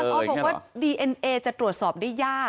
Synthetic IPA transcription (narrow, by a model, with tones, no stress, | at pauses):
pʰɔː˧˥bɔː˨˩kwaː˥diː˧ʔe˧nʔeː˧t͡ɕa˨˩t̪ɾu˨˩ət̪̚sɔː˨˩p̚daː˥˩jaː˥˩